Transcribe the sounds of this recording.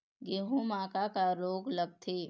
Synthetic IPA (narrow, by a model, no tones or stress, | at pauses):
ɡeɦũmaːkakaɾoːɡləɡ̚t̪ʰeː